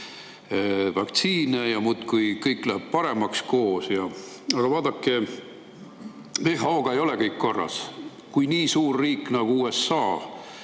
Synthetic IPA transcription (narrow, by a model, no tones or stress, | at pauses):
vɑkt̪siːnejɑmut̪kujkɤjkːˑlæheb̥̚pɑɾe̞mɑksko̞ːsjɑ | ɑɡ̥ɑvɑːd̪̥ɑkˑːe | veːɦɑoːɡ̥ɑe̞jo̞lekɤjkːo̞rːɑ̰s | kujniːsuːrːiːkːnɑɡ̥uuːe̞sːɑː